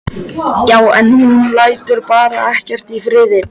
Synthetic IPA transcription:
jaːwɛ̰nhunnlaːjt̪ʏɾpaːɾaɛhcɛr̥t̪ifɾɪːðɪ

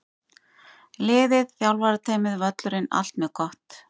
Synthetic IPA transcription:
lɪːðɪðθjawlvaɾat̪ʰaːjmɪðvœt̪lʏɾɪna̰l̥t̪mɛkʰɔht̪

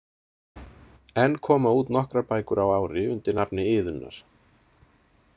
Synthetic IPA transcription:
ɛnːkʰɔːmauːt̪nɔhkɾapaːjkʏɾawaːwɾɪʏnt̪ɪɾnapnɪɪːðʏnːa̰ɾ̥

